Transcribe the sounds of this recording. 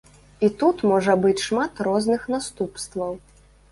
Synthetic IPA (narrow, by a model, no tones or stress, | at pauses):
it̪ut̪mɔʐɐbɨt͡sʲʂmat̪rɔznɨxnast̪upst̪vɐw